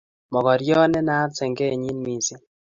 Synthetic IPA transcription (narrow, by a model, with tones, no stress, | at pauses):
mɔ˨ɣɔ˨ɾjɔ˦nɛ˦na˦ɾse˨ŋɡe˦˨ɲi˦nmi˨si˦